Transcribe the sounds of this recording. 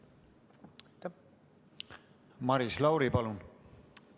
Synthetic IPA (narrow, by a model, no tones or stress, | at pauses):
mɑɾislɑwɾipɑlun